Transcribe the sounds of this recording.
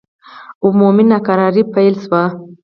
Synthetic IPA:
ʊmuminakaɾɑɾipajlʃwa

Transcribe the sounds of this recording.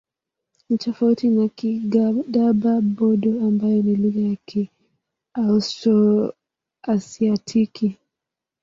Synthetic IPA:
nitɔfautinakiɡaɗababɔɗɔambajɔniluɣajakʰi | austɔ | asiatʰiki

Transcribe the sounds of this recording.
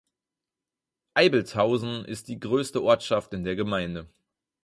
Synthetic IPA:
ʔaɪbl̩thaʊzn̩ʔɪ̰st̚d̥iːɡʁøːstəʔɔɐtʃaftɪndeːɐɡəmaɪndə

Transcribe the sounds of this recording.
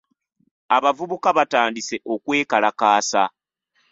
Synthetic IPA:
aβavuβukaβataːndise̞ʔo̞kwe̞ːkalakaːsa̰

